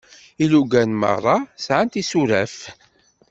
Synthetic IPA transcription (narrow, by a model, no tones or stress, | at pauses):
iluɡænmɑ̰rˤːɑsʕant̪isuɾæf